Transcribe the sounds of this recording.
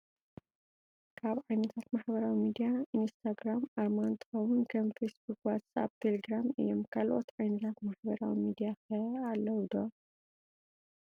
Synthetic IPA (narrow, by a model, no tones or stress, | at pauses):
kʰaβʕajnɐt̪ʰat̪maħbɐɾawimid̪ijainst̪ʰaɡɾamaɾmant̪ʰɨ̥xɐwunkʰɐmfesbukwat̪t͡sʼa̰b̚t̪ʰeleɡɾamɨ̰jomkʰalʔo̞̰t̪ʕajnɐt̪ʰat̪maħbɐɾawimid̪ijaxɐalːɐwd̪o